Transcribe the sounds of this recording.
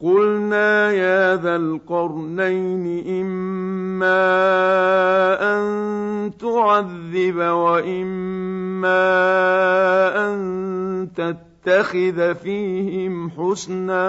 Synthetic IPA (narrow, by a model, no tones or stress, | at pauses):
qʊlnaːhaːðalqɑɾˤnajnɪʔɪmː | aː | ʔant̪ʊʕaðːɪβawaʔɪmː | aː | ʔant̪at̪ːaxɪðfiːhɪmħʊsnaː